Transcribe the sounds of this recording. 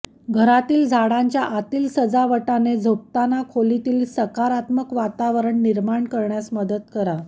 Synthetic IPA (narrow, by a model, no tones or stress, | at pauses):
ɡʱəɾat̪iːld͡zʱaɽaɲt͡ɕjaʔat̪iːlsəd͡zaʋəʈaned͡zʱop̚t̪anakʰolit̪iːlsəkaɾat̪məkʋat̪aʋəɾəɳːiɾmaɳkəɾɳjasməd̪ət̪kəɾa